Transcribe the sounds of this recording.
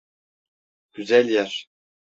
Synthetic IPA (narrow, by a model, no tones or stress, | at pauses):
ɡ̥yzælʲjæɾ